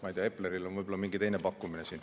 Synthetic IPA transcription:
mɑjt̪eɑepːleɾilo̞nvɯjbolɑmiŋɡit̪e̞jnepɑkːˑuminesiːn

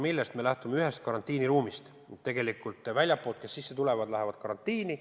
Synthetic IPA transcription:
milːest̪me̞læht̪umeyɦe̞st̪̚kɑɾɑnt̪ːiːniɾuːmist̪ | t̪ːe̞ɡ̥e̞likˑult̪ˑːvælʲjɑpːˑoːlt̪kesːisːe̞t̪ule̞vɑd̪̥læɦevɑd̪̥kɑɾɑnt̪ˑːiːni

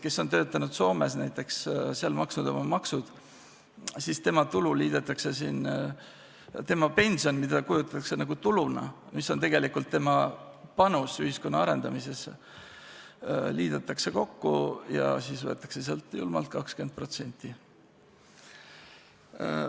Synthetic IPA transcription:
ke̞sːo̞nt̪ø̞ːt̪ːˑɑnud̪̥so̞ːme̞snæjt̪ːˑe̞ksseɑlmɑksnud̪o̞̰mɑmɑksud̪̥ | sist̪e̞mɑt̪ululiːd̪̥et̪ːˑɑkse̞siːn | t̪e̞mɑpe̞nʲsio̞nmid̪̥ɑkujut̪ːˑɑt̪ːɑksenɑɡut̪ulunɑ̰ | misːo̞nt̪e̞ɡ̥e̞likult̪ːe̞mɑ | pɑnusyhisko̞nːɑɑɾe̞nd̪̥ɑmise̞s | liːd̪̥ɑt̪ːˑɑkseko̞kːujɑ̰siːsvɤ̞t̪ːˑɑ̥kse̞seɑlt̪ˑjṵlmɑ̰lt̪̚kɑkskyend̪̚pro̞t̪se̞nʲt̪ˑːi

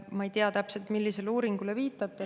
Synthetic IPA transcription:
mɑe̞jt̪eɑt̪æpse̞lt̪milːise̞luːɾiŋɡ̥uleviːt̪ːˑɑt̪ːˑe

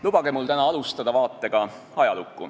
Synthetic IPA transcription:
lub̥ɑɡ̥emult̪ænɑɑlust̪ɑd̪ɑvɑːt̪ːe̞ɡ̥ɑ | ɑjɑlukːˑṵ

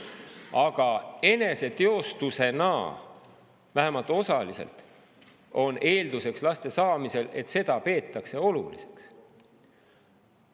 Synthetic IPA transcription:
ɑɡ̥ɑe̞ne̞se̞t̪eo̞st̪use̞nɑ̰ː | væɦemɑlt̪ˑo̞sɑlise̞̰lt̪ | o̞nʔe̞ːld̪̥use̞kslɑst̪e̞sɑːmise̞le̞t̪se̞d̪̥ɑpe̞ːt̪ːˑɑkse̞o̞lṵlḭse̞̥ks

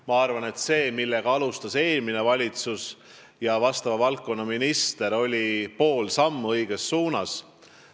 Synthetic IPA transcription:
mɑɑrvɑne̞t̪se̞ːmilːe̞ɡ̥ɑɑlust̪ɑse̞ːlmine̞vɑlʲit̪sus | jɑvɑst̪ɑvɑvɑlkːˑo̞nːɑminist̪e̞ɾo̞lʲipo̞ːlsɑmːuɤjɡ̥e̞sːuːnɑs

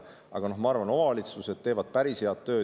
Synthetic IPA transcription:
ɑ̰ɡ̥ɑno̞hmɑɑrvɑno̞mɑɑlit̪suse̞d̪̥̚t̪e̞ːvɑd̪̥̚pæɾishe̞ɑt̪ːø̞ː

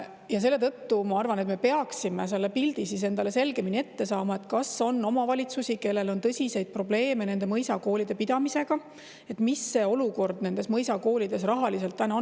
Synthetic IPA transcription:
jɑs̬e̞lːe̞t̪ɤt̪ːumɑɑrvɑnet̪me̞pe̞ɑksimes̬elːepild̪̥isis̬e̞nd̪̥ɑle̞se̞lɡe̞minʲie̞t̪ːe̞sɑːmɑe̞t̪kɑso̞nːo̞mɑvɑlʲit̪susʲike̞lːe̞lo̞nt̪ɤsʲise̞jd̪̥̚pro̞ble̞ːme̞ne̞nd̪e̞mɤjsɑko̞ːlid̪̥e̞pid̪̥ɑmise̞ɡ̥ɑ | e̞t̪misːe̞ːo̞luko̞rd̪̥ne̞nd̪̥e̞smɤjsɑko̞ːlid̪̥e̞s̬rɑɦɑlise̞lt̪ːænɑ

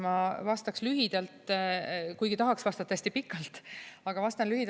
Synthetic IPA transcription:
mɑvɑst̪ɑkslyɦid̪̥ɑlt̪ | kujɡ̥it̪ɑɦɑksvɑst̪ɑt̪ːest̪ipikːˑɑlt̪ːˑɑɡ̥ɑvɑst̪ɑnlyhid̪

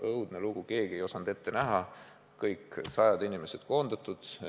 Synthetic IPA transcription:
ʔɤwd̪̥neluɡ̥uke̞ːɡ̥ie̞jo̞sɑnd̪̥e̞t̪ːe̞næɦɑ | kɤjkːsɑjɑd̪̥inime̞sed̪̥ko̞ːnd̪ɑt̪ːˑud̪̥

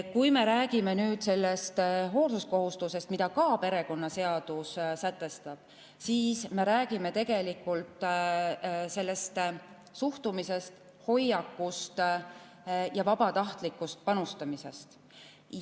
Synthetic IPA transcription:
kujme̞ɾæːɡ̥ime̞nyːd̪̥se̞lːe̞st̪ɦo̞ːlsusko̞ɦust̪use̞st̪mid̪ɑkɑːpe̞ɾe̞ko̞nːɑse̞ɑd̪̥ussæt̪ːˑe̞st̪ɑb̥̚ | siːsme̞ɾæːɡ̥ime̞t̪e̞ɡ̥e̞likːˑult̪ˑ | se̞lːe̞st̪ | suht̪umise̞st̪ | ho̞jɑkːˑust̪ | jɑvɑb̥ɑt̪ɑht̪likːˑust̪̚pɑnust̪ɑmise̞st̪

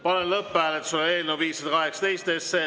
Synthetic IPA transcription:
pɑnelɤpːæːlet̪suleeːlnewviːsːɑd̪ɑkɑɦɛksɑ̥t̪ejst̪esːeː

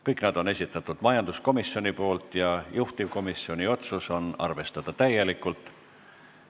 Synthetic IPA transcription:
kɤjkˑnɑd̪o̞ne̞sʲit̪ːˑɑt̪ːˑud̪̥mɑjɑnd̪̥usko̞misjo̞nʲipo̞ːlt̪ˑjɑjuht̪ivko̞misio̞nʲio̞t̪suso̞nɑ̰rve̞st̪ɑd̪̥ɑt̪æjːe̞likːˑult̪ˑ

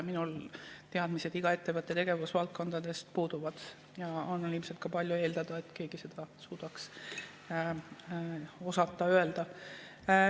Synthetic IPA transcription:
minult̪eɑd̪̥mise̞d̪iɡ̥ɑe̞t̪ːe̞vɤt̪ːˑe̞t̪e̞ɡ̥e̞vusvɑlt̪̚ko̞nd̪̥ɑd̪e̞st̪̚puːd̪̥uvɑd̪̥ | jɑonːɑlilmset̪̚kɑpɑlʲjue̞ːld̪ɑd̪̥ɑet̪ˑke̞ːɡ̥ise̞d̪̥ɑsuːd̪̥ɑks | o̞sɑt̪ːˑɑøe̞ld̪̥ɑ

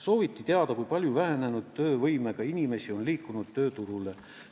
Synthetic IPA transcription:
so̞ːvit̪ːit̪e̞ɑd̪̥ɑkujpɑlʲjuvæɦene̞nud̪̥̚t̪øːvɤjme̞ɡ̥ɑinʲime̞sio̞nliːkːˑunud̪̥̚t̪ø̞ːt̪uɾule̞

